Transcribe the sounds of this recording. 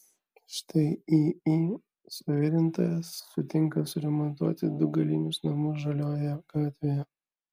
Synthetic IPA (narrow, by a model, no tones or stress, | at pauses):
ʃt̪ɐɪii | sʊʋʲɪɾʲɪnt̪o̰ːjɛsːʊt̪ʲɪŋkɐsʊɾʲɛmɔnt̪uɔt̪ʲɪd̪ʊɡɐlʲiːnʲʊsnɐmʊsʒɐlʲoːjɛɡ̥ɑːt̪ʲʋʲejɛ